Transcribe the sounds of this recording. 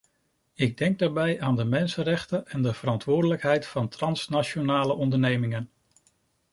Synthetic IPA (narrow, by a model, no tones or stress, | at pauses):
ɪɡ̚dɛŋɡ̚daːɹbɛjaːndəmɛnsənrɛχtəɛndəv̥əɾɑntʋʊːɹdələkɦɛjtfɑntrɑnsnat͡ʃonaːləʔɔndəɹnejmɪŋən